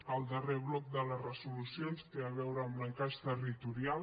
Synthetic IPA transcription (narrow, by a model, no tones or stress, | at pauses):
əlˠd̪əreβlɔk̚d̪ələzrəsulusjonst̪eaβɛwɾəːmbɾəŋkaʃt̪ərit̪uɾia